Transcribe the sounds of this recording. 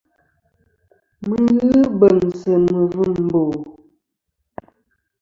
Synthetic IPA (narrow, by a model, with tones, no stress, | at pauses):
mə˨ɣɨ˦bə˨nsə˨mə˨və˦˨m˨bo˨